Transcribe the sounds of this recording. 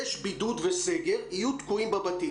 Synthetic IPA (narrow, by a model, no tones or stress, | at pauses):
eʃbid̪ud̪veseɡeɾiut̪kuĩmbɐbɐt̪i